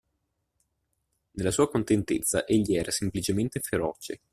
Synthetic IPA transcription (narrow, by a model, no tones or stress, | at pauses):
nelːasuːakont̪ent̪et̪sːa̰ʔeʎːiɛːɾasemplit͡ʃement̪efeɾɔːt͡ʃe